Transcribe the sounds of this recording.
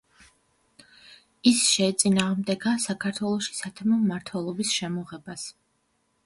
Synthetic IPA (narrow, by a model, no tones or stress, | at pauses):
isʃɛt̪sʼinaːʁmd̪ɛɡasakʰaɾt̪ʰwɛlˠɔʃi̥sat̪ʰɛmɔmmːaɾt̪ʰwɛlˠɔbisʃɛmɔʁɛbas